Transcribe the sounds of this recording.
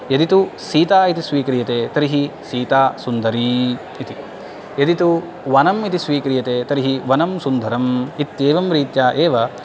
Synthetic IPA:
jɐd̪it̪usiːt̪aːit̪isʋiːkɐɾijɐt̪eːt̪ɐɾiɦisiːt̪aːsund̪ɐɾiː | t̪i | jɐd̪it̪u | ʋɐnɐmit̪isʋiːkɐɾijɐt̪eːt̪ɐɾiɦiʋɐnɐmsund̪ʱɐɾɐmit̪eːʋɐmɾiːt̪jaːʔeːʋɐ

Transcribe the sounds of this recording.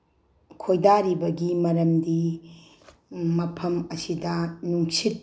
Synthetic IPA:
kʰojdaɾibɐɡimɐɾɐmdi | mɐpʰɐmɐsidɐnuŋsit̚

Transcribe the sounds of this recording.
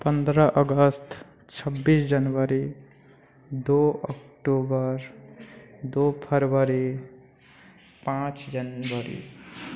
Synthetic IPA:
pə̃nd̪ɾəʔəɡəst̪ | t͡ʃʰəbːisd͡ʒənwəɾi | d̪oəkʈobəɾ | d̪opʰəɾwəɾi | pãt͡ʃd͡ʒənwəɾḭ

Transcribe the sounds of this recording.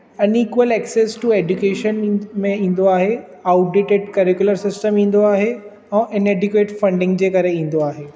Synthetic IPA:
ɐniːkʋəlɛːkseːsʈueːd͡ʑukeːʃənmẽĩːn̆d̪oaːɦe | aːʊʈ̚ɖɪʈɪɖkɐɾɪkjuləɾsɪsʈəmĩːn̆d̪oaːɦe | ɛ̃ːʔɪneːɖʊkʋeːʈfɐ̃ɳɖɪ̃ŋɡd͡ʑeːkɐɾeĩːn̆d̪oaːɦeː

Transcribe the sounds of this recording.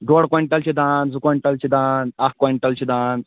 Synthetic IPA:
ɖoːɽkoiɳʈɐlt͡ɕʰid̪aːnzukoiɳʈɐlt͡ʃʰid̪aːnakkoiɳʈɐlt͡ɕʰid̪aːn

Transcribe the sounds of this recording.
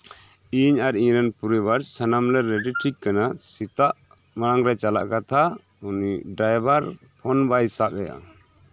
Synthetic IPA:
iɲaɾiɲɾɛnpuɾɛbaɾsanamlɛɾːɛɖiʈʰikːanasit̪aʔ | maɽaŋɾɛt͡ʃala̰ʔkat̪ʰa | uniɖɾajbaɾ | pʰɔnbajsaʔɛja̰

